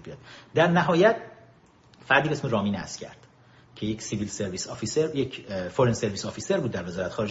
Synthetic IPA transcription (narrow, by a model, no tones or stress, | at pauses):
biɒd̪̥d̪æɾnæɦɒːjæt̪̚ʰ | fæɾd̪ibeesmeɾɒːmiːnæ̰scʰæ̰ɾd̪̥ | cʰe̞jecsivilseɾviːsɒfiseɾjecʰfoɾenseɾvisɒfiːseɾbuːd̪̚ːæɾve̞zɒːɾæt̪ʰe̥xɒːɾed͡ʒ